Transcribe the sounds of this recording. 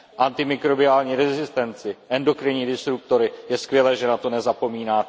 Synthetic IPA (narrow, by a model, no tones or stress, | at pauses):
ʔant̪ɪmɪkɾo̞bɪaːlɲiːɾɛzɪst̪ɛnt͡sɪʔɛndo̞kɾɪɲiːdɪst̪ɾuk̚t̪o̞ɾɪjɛskvʲjɛlɛːʒɛnat̪o̞nɛzapo̞miːnaː